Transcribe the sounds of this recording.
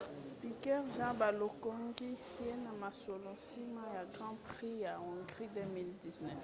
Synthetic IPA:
i˨kɛ˦ʁʒã˦ba˨lo˨ko˦ŋɡi˦ | je˦na˨ma˨so˨lõ˨si˦ma˦ja˨ɡʁɑ̃˦pʁi˦ja˨ɔ̃˨ɡʁi˦dø˦mi˦ldi˨znɛ˦˨f

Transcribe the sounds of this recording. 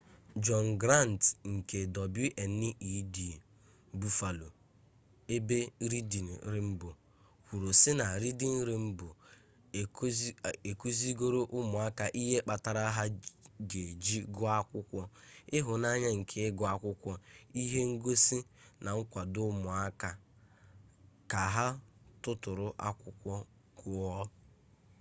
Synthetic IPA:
d͡ʒɔ˨n˨ɡɾa˦˨n˨tŋ̩˨ke˨dɔ˨bji˦ʔe˨n̩˦nɪ˦ʔi˨˦di˨e˨ | bu˨fa˨lo˨ | e˦be˦ɾi˦di˨n̩˨˦ɾɪ˦m̩˦bʊ˨ | hu˨ɾo˨sɪ˦na˨ɾi˦di˦n̩˦ɾɪ˨m̩˦bʊ˨˦ | e˨ku˦zi˦ɡo˦ɾo˦ʔʊ˦mʊ˨a˦ka˦ʔi˦ɦe˦k͡pa˨ta˨ɾa˦ɦa˦ɡe˨d͡ʒi˦ɡʊ˦a˦kʷʊ˦kʷɔ˦ɪ˦ɦʊ˨na˦ɲa˦ŋ̩˨kʰe˦ɡɔ˦a˦kʷʊ˦kʷɔ˦i˦ɦe˦ŋ̩˦ɡo˦si˦na˨ŋ̩˦kʷa˨dʊ˦mʊ˨a˦ka˦ | ka˨ɦa˦tʊ˦tʊ˨ɾʊ˦ʔa˦kʷʊ˦kʷɔ˦ | kʊ˨ɔ˦

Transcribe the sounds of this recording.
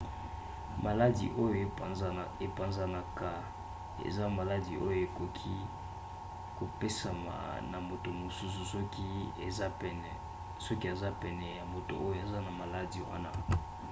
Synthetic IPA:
ma˨la˦dḭ˨ʔo˦jo˨˦˨e˨pa˨nza˦na˨ka˦ | ḛ˨za˦ma˨la˦di˨ʔo˦jo˨e˨ko˨kʰi˦ | ko˨pe˦sa˨ma̰˨na˨mo˨to˨mo˨su˦su˨sɔ˦ki˦ḛ˨za˦pɛ˨n˨ | sɔ˦ki˦a˨za˦pɛ˨nɛ˨ja˨mo˨to̰˨ʔo˦jo˦˨e˨za˦na˨ma˨la˦di˨wa̰˦na˦

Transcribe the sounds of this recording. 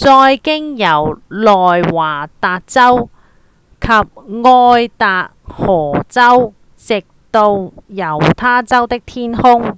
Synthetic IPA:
t͡sɔː˧jkɪ˥ŋjɐ˨˩wlɔː˨jwaː˨˩t̪aː˨t̚t͡sɐ˥w | kʰɐ˨p̚ŋɔː˧jt̪aː˨k̚hɔː˨˩t͡sɐ˥w | sɪ˨k̚t̪o˧wjɐ˨˩wt̪ʰaː˥t͡sɐ˥wt̪ɪ˥k̚t̪ʰiː˥nhʊ˥ŋ

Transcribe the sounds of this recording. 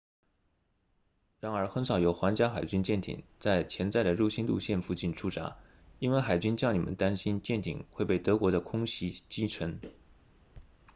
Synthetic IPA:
ɻa˧˥nə˞˧˥xə˧˥nʂɑ˨˩ʊjo˧˥ʊxwa˧˥nt͡ɕja˥xa˨˩ɪt͡ɕy˥nt͡ɕjɛ˥˩nt̪ʰḭ˨˩ŋt͡sa˥˩ɪt͡ɕʰjɛ˧˥nt͡sa˥˩ɪd̪ə˩ɻu˥˩ɕi˥nt̪ṵ˥˧ɕjɛ˥˧nfu˥˧t͡ɕi˥˩nʈ͡ʂʰu˥ʈ͡ʂa̰˧˥ | i˥nwe˥˩ɪxa˨˩ɪt͡ɕy˥nt͡ɕjɑ˥˩ni˨˩mə̰˦nt̪a˥nɕi˥nt͡ɕjɛ˥˩nt̪ʰḭ˨˩ŋxwe˥˧ɪpe˥˩ɪt̪ɤ˧˥kwɔ˧˥ɾə˧kʰʊ˥ŋɕi˧˥t͡ɕi˥ʈ͡ʂʰə˧˥ŋ

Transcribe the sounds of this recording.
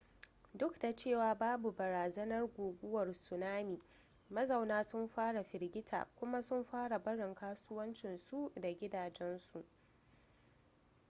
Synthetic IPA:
dʊ˦kda˨t͡ʃeː˦˨waː˨baː˦bu˨bɐ˨ɾaː˨zɐ˦nɐ˦rɡʷoː˨ɡʷʊ˦wɐ˨rsʊ˨naː˦miː˨ | mɐ˦zɐ˨wnaː˦sʊ˦mɸaː˦ɽa˨ɸɪ˨rɡʲɪ˦tʰa̰ː˨kʷʊ˦ma˦sʊ˦mɸaː˦ɽa˨bɐ˦ɽɪ˨ŋkaː˦sʊ˦wɐ˦nt͡ʃɪ˨nsu˦ʔda˨ɡʲɪ˦daː˨d͡ʒɛ˦nsu˨ʔ

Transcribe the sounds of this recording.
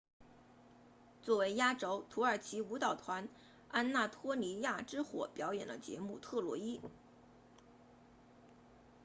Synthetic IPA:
t͡swɔ˥˩we˧˥ɪja˥ʈ͡ʂo˥ʊt̪ʰu˧˥ə˞˨˩t͡ɕʰi˧˥u˧˥t̪ɑ˨˩ʊt̪ʰwa˧˥n | a˥nna˥˩t̪ʰwɔ˥li˧˥ja˥˩ʈ͡ʂɻ̩˥xwɔ̰˨˧˩pjɑ˧˥ʊjɛ˨˩nd̪ə˦t͡ɕjɛ̰˧˥mu˥˩t̪ʰɤ˥˩lwɔ̰˧˥i˥

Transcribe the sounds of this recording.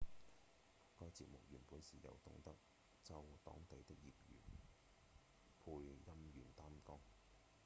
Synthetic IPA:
kɔː˧jt͡siː˧p̚mʊ˨k̚jyː˨˩npuː˨˥nsiː˨jɐ̰˨˧wt̪ʊ̰˧ŋt̪ɐ˥k̚ | t͡sɐ˧wt̪ɔ̰ː˨˥ŋt̪e˨˧jt̪ɪ˥k̚jḭː˨p̚jy̰ː˨˩n | pʰuː˧jjɐ˥mjyː˨˩nt̪aː˥mt̪ɔ˥ŋ

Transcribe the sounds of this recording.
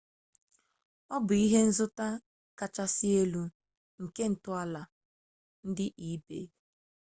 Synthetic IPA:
ɔ˦bʊ˨i˦ɦe˦n̩˦zʊ˦ta˦ | ka˨t͡ʃa˦sɪ˦e˦lu˦ | ŋ̩˨ke˦n̩˨tʊ˦a˦la˨ | n̩˦dɪ˦ʔi˦bḛ˨˦

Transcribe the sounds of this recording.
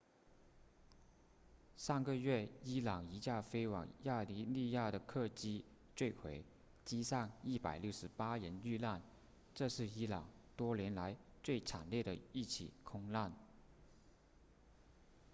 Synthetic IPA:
ʂɑ˥˩ŋɡə˧ɥɛ˥˩i˥lɑ˨˩ŋi˧˥t͡ɕja˥˩fe˥ɪwɑ̰˨˩ŋja˥˧li˧˥li˥˧ja˥˩ɾə˩kʰɤ˥˧t͡ɕi˥ | t͡swe˥˩ɪkʰwe˧˥ɪ | t͡ɕi˥sɑ˥˧ŋi˥˩pa˨˩ɪljo˥˩ʊʂɻ̩˧˥pa˥ɻə˧˥ny˥˧la˥˩n | ʈ͡ʂɤ˥˧ʂɻ̩˥˩i˥lɑ˨˩ŋt̪wɔ˥ljɛ˧˥nla˧˥ɪt͡swe˥˩ɪʈ͡ʂʰa˨˩nljɛ˥˩d̪ə˩i˥˩t͡ɕʰḭ˨˩kʰʊ˥ŋla˥˩n

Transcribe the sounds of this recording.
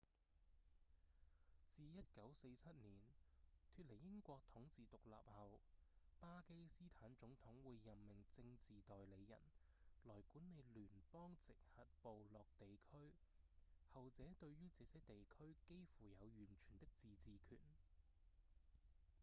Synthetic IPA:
t͡siː˧jɐ˥t̚kɐ˨˥wse˧jt͡sʰɐ˥t̚niː˨˩nk̪ʰyː˧t̚le˨˩jɪ˥ŋkʷɔː˧k̚t̪ʰʊ˨˥ŋt͡siː˨t̪ʊ˨k̚la̰ː˨p̚hɐ˨wpaː˥ke˥jsiː˥t̪ʰaː˨˥nt͡ʃʊ˨˥ŋt̪ʰʊ˨˥ŋwuː˨˧jːɐ˨mmɪ˨˩ŋt͡sɪ˧ŋt͡siː˨t̪ɔː˨jle˨˧jːɐ̰˨˩n | lɔː˨˩jkuː˨˥nːe˨˧jlyː˨˩npɔː˥ŋt͡sɪ˨k̚hɐ˨t̚po˨wlɔː˨k̚t̪e˨jkʰɵ˥ɥ | hɐ˨wt͡sɛː˨˥t̪ɵ˧ɥɥyː˥t͡sɛː˨˥sɛː˨˥t̪e˨jkʰɵ˥ɥke˥jfuː˨˩jɐ˨˧wjyː˨˩nt͡ʃʰyː˨˩nt̪ɪ˥k̚t͡siː˨t͡siː˨kʰy̰ː˨˩n

